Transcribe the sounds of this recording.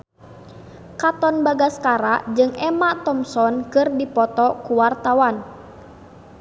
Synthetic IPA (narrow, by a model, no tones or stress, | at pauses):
kat̪ɔnbaɡaskaɾaʔd͡ʒɨŋɛmat̪ɔmsɔnkɨrdipɔt̪ɔkuwart̪awan